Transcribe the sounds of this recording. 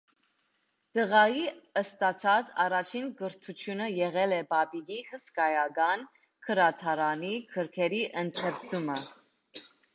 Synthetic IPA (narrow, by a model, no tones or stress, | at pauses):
d̪̥əʁɑjiəst̪ɑt͡sʰɑt͡sɑrɑt͡ʃʰinɡəɾt̪ʰut͡ʃʰjunəjɛʁɛlɛbɑbiɡihəskɑjɑɡɑn | kʰəɾɑt̪ʰɑɾɑnikʰəɾkʰɛɾiʔənt̪ʰɛɾt͡sʰumə